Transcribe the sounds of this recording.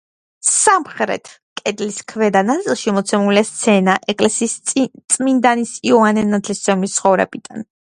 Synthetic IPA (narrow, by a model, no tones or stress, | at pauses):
samχɾɛ̰t̪ʰ | kʼɛd̪liskʰvɛd̪anat̪sʼilˠʃimɔt̪sʰɛmuliast̪sʰɛnaʔɛkʼlɛsiːst̪sʼmind̪anisiɔanɛnːat̪ʰlist̪sɛmist̪sʰχɔvɾɛ̰bid̪̥an